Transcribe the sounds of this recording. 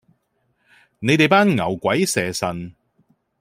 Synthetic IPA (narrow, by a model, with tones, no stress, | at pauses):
ne˨˧jt̪e˨jpaː˥nŋɐ˨˩wkʷɐ˨˥jsɛː˨˩sɐ˨˩n